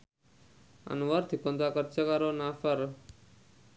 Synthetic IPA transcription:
a̰nʋaɾt̪ʰikɔnd̪akəɾt͡ʃəkaɾonafəɾ

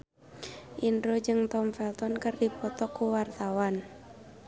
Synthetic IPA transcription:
ʔindɾod͡ʒɨŋt̪ɔmfɛlt̪ɔnkɨrdipɔt̪ɔkːuwart̪awan

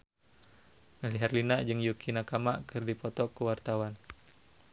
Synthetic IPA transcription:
naliɦarlinaʔd͡ʒɨŋjukʰinakamaʔkɨrdipɔt̪ɔkuwart̪awan

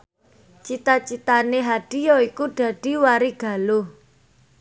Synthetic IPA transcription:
t͡ʃit̪at͡ʃit̪aneɦaɖ̥i̤jɔikuɖ̥ä̤ɖ̥i̤waɾiɡ̥a̤lo

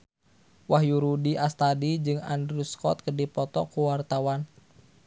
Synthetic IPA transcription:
wahjuɾudiʔast̪adid͡ʒɨŋa̰ndɾuskɔt̪̚kədipɔt̪ɔkuwart̪awan

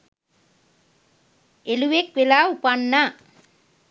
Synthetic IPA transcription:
eluʋek̚ʋelaːupanːa

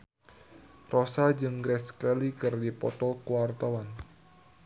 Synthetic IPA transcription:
rɔsad͡ʒɨŋɡɾɛskɛlikɨrdipɔt̪ɔkuwart̪awan

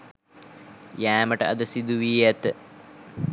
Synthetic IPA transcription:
jæːməʈəɐ̰d̪əsid̪uʋiːjæt̪ə

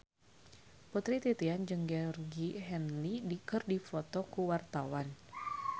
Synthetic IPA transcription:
put̪ɾit̪it̪iand͡ʒɨŋɡɛɔrɡiɦɛnlidikɨrdifɔt̪ɔkuwart̪awan

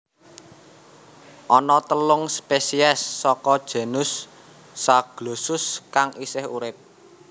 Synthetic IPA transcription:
ʔɔnɔt̪əlʊŋspesiɛsːɔkɔd̥ʒ̥a̤nʊsː | aɡ̥losʊskaŋisɪhṵɾɪp̚

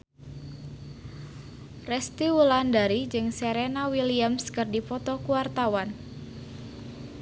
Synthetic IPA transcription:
rɛst̪iwulandaɾid͡ʒɨŋsɛɾenawiliamskɨrdipɔt̪ɔkuwart̪awan

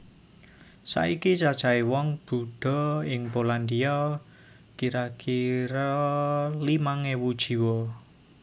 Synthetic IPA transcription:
sa̰ikit͡ʃad̥ʒ̥a̤iwɔŋb̥ṳɖ̥ɔ̤ɪŋpoland̪iɔ | kiɾakʰiɾɔ | limaŋewud̥ʒ̥i̤wɔ

